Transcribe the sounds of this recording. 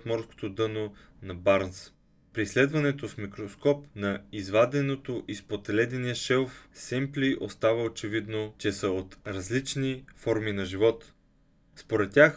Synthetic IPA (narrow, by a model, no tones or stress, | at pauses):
t̪mɔɾsko̥t̪od̪ɤno | nɐbaɾns | pɾislɛd̪vɐnɛt̪osmikɾoskɔpnɐizvad̪ɛnot̪oʔispot̪ɛlɛd̪ɛniəʃɛlˠfsɛmplʲiʔost̪avəot͡ʃɛvid̪not͡ʃɛsəot̪ɾɐzlit͡ʃnifɔɾminɐʒivɔt̪ | spoɾɛt̪̚ːʲax